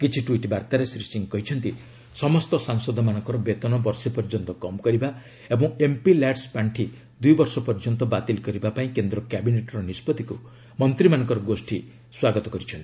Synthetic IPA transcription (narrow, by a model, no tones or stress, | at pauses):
kit͡ʃʰiʈwiʈbaɾt̪aɾesɾisiŋkɔɦit͡ʃʰɔnt̪i | sɔmɔst̪ɔsaŋsɔd̪ʱɔmanɔŋkɔɾɔbet̪ɔnɔbɔɾsipɔɾd͡ʒɔnt̪ɔkɔmɔkɔɾiba | ebɔ̃ŋ̃empilaɖspaɳʈʰi | d̪ujbɔɾsɔpɔɾd͡ʒɔnt̪ɔbat̪ilkɔɾibapaĩkend̪ɾɔkjabineʈɔɾɔnispɔd̪iku | mɔnt̪ɾimanɔ̃ŋkɔɾɔɡosʈʰi | swaɡɔt̪ɔkɔɾit͡ʃʰɔnt̪i̥